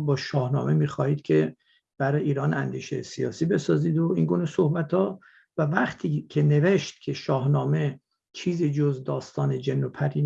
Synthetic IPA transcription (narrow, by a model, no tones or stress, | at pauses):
bɒːʃɒːhnɒ̰ːmemiːxɒːhiːd̪̥cʲʰe̞ | b̥æɾɒjiːɾɒːnænd̪iːʃḛjesijɒːsiːbe̞sɒːziːd̪oiŋɡuːnesohbæt̪ʰɒː | vævæχt̪ʰiːcʰe̞ne̞ve̞ʃt̪̚cʰe̞ʃɒːhnɒːme̞ | t͡ʃʰiːziːd͡ʒozd̪ɒːst̪ɒːned͡ʒenːopʰæɾiː